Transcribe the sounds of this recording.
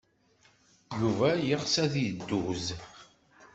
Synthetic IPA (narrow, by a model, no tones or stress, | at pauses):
juvæjəʁsæðjd̪ːuz